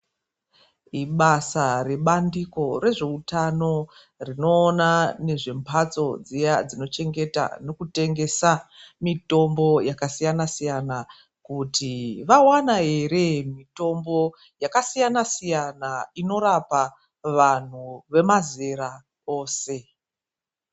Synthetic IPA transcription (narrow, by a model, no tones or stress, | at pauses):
iɓasare̞ɓandiko̞re̞ʐe̞utano̞ | rino̞ːnane̞ʐe̞mpʰat͡so̞d͡zijad͡zino̞t͡ʃe̞ŋɡe̞ta̰no̞kute̞ŋɡe̞samito̞mbo̞jakasijanasijana | kutʰiʋawanaɦe̞ɾe̞mito̞mbo̞ | jakasijanasijanaino̞ɾapa | ʋan̤uʋe̞mazeɾa | o̞ːse̞